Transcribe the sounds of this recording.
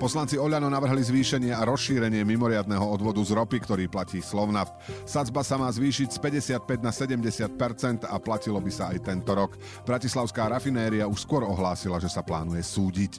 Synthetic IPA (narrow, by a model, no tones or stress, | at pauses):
pɔslant͡siɔʎanɔnaʋr̩ɦlizʋiːʃɛɲɪɛaɾɔsʃiːɾɛɲɪɛmimɔɾɪad̪nɛɦɔɔd̪ʋɔd̪uzɾɔpikt̪ɔɾiːplaciːslɔʊnaf | sad͡zbasamaːzʋiːʃicspɛɟɛsɪat̪̚pɛɟnasɛɟɛmɟɛsɪat̪̚pɛɾt͡sɛnt̪aplacilɔbisaajt̪ɛnt̪ɔɾɔk | b̥ɾacislaʊskaːɾafinɛːɾiauʃskʊɔɾɔɦlaːsilaʒɛsapla̰ːnujɛsuːɟic